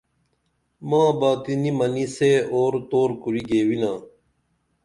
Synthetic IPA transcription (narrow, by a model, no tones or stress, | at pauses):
mãːbaːk̪inimɐniseoːɾt̪oːɾkuɾiɡeːwinãː